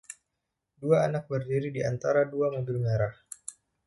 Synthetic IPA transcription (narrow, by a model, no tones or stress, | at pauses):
duaːnak̚bərdiɾidiant̪aɾaduamədulŋaɾah